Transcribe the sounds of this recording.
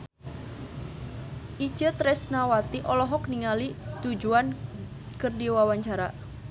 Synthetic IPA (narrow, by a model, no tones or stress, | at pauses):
ʔit͡ʃət̪ɾɛsnawat̪iʔɔlɔɦɔkniŋalit̪ud͡ʒuan | kərdiwawaɲt͡ʃaɾa̰